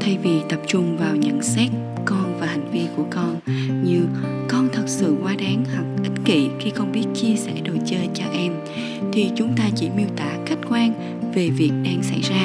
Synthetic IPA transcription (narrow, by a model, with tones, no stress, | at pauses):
t̪ʰa˧jvi˨˩t̪ə˨˩p̚t͡ɕʊ˧ŋ͡mvaː˨˩wɲə̰˧˥ŋsɛ˦˥t̚ | kɔ˧nvaː˨˩ha˨˩jŋ̟vi˧əku˧˩əkɔ˧nɲɨ˧ | kɔ˧nt̪ʰə˨˩t̚sɨ̰˧˨kwaː˧ɗaː˨˦ŋha˨˩k͡p̚kï˦˥ŋ̟̚kḭ˧˨xi˧xə˧wŋ͡mɓi˦˥ət̚t͡ɕi˧əsɛ̰˧˥ɗo˨˩jt͡ɕəː˧jt͡ɕɔ˧ʔɛ˧m | t̪ʰi˨˩t͡ɕʊ˨˦ŋ͡mt̪aː˧t͡ɕḭ˧˩mi˧əwt̪aː˧˩ka˦˥k̟̚kwaː˧n | ve˨˩vi˨˩ək̚ɗaː˧ŋsa̰˧˩jzaː˧